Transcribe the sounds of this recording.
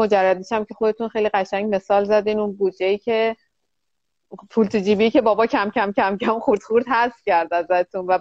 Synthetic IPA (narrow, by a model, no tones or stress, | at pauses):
o̞d͡ʒærːæd̪iʃæmcʰe̞xod̪e̞t̪ʰunxejliːɢæʃæɲɟme̞sɒːlzæd̪iːnunbuːd̪d͡ʒe̞jiːcʰe̞ | pʰult̪ʰid͡ʒiːbiːce̞bɒːbɒːcʰæmcʰæmcʰæmcʰæmχuɾd̪̥χuɾd̪hæsfcʲæɾd̪æzæt̪ʰunvæ